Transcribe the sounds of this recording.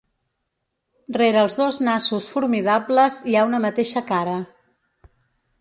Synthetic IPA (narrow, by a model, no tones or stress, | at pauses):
reɾəːlˠzðoznasusfuɾmiðabləziaunəmət̪eʃəkaɾə